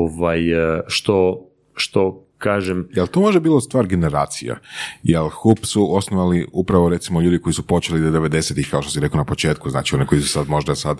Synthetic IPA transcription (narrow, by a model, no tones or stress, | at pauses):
ʋajʃt̪o | ʃt̪okaːʒemjelˠt̪omo̞ʒebiːlˠost̪ʋaːɾɡe̞ne̞ɾa̰ːt̪sija̰jelxupsuosnoʋaliupɾaʋo̞ɾe̞t̪simoʎuːd̪iko̞isupo̞t͡ʃelid̪ed̪e̞ʋe̞d̪e̞set̪ixkao̞ʃt̪osiɾe̞konapo̞t͡ʃe̞ːt̪kuzna̰ːt͡ʃio̞nikoisu̥sad̪mo̞ʒd̪asad̪